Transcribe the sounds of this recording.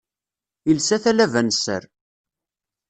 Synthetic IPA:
ilsæθælævænsə̰ɾ

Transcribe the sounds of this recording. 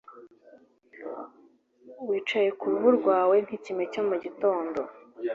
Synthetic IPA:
wiːt͡ʃaje̞kuɾuβuɾɡwaːwe̞n̥hicime̞co̞muɟito̞ːndo̞

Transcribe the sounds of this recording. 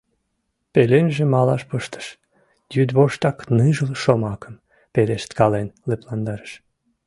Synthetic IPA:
pelenʒemɑlɑʃpəʃt̪ə̥ʃ | jyd̪βoʃt̪ɑknɨʒəlʃomɑkəm | peleʃt̪kɑlenleplɑnd̪ɑɾəʃ

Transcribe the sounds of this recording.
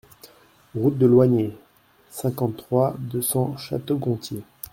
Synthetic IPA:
ʁut̪̚d̪əlwaɲe | sɛ̃kɑ̃t̪ːχwad̪øsɑ̃ʃa̰t̪oɡɔ̃t̪je

